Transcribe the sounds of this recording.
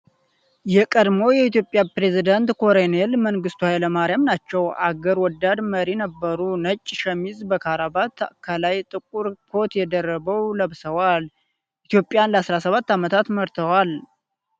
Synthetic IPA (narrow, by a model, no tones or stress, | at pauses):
jɛkʼəd̪mo̞jɛit̪jo̞pʼːjapɾe̞zid̪ant̪kʰo̞ɾenelməŋɡɨst̪uhajləmaɾijamnat͡ʃːɛwʔaɡəɾwɔd̪ːad̪məɾinəbːəɾunət͡ʃʼːʃəmizbəkʰaɾabat̪ʰkʰalajt̪ʼɨkʼuɾkʰo̞t̪jɛd̪ərːəβəwləβsəwal | ʔit̪jo̞pʼːjanləasɾasəβat̪ːamət̪ʰat̪məɾt̪ʰəwal